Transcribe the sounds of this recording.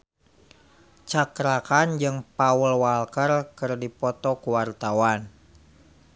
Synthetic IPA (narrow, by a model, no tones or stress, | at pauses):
t͡ʃakɾakand͡ʒɨŋpaəlwalkərkɨrdipɔt̪ɔkuwart̪awan